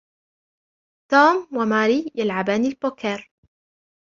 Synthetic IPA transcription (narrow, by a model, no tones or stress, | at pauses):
t̪oːmwamaːɾiːjalʕabaːnilboːkeɾ